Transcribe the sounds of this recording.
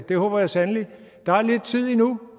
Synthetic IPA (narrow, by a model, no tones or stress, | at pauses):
d̥e̝hɔːb̥ɐjɑ̈sænli | d̥ɑ̈æɐle̝d̥̚t͡sʰið̞̰ˠinu